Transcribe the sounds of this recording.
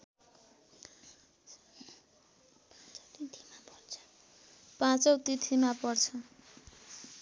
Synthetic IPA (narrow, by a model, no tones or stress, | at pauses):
p̪it̪ʰimart͡sʰ | pãt͡sʌwt̪it̪ʰimapʌrt͡sʰʌ